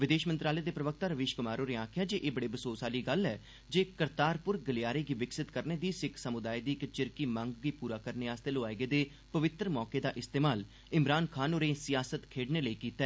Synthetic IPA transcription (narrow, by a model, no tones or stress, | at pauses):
ʋɪd̪eːʃmənt̪ɾaːleːd̪eːpɾəʋək̚ʰt̪aːɾəʋeːʃkʊmaːɾoːneːaːkʰɪjaːd͡ʒeːʔeːbəɽiːbəsoːsaːliːɡəlɛː | d͡ʒeːkəɾt̪aːɾpʊɾɡəlɪjaːɾeːɡiːʋɪksɪt̪kəɾneːd̪iːsɪkʰsəmʊd̪aːid̪iːɪkt͡ʃɪɾkiːmə̃ŋɡɡiːpuːɾaːkəɾneaːst̪eːloaːeɡeːd̪eː | pəʋɪt̪ɾəmɔːkeːd̪aːʔɪst̪eːmaːl | ɪmɾaːnkʰaːnoːɾeːsɪjaːsət̪kʰeːɖneːləiːkiːt̪aɛː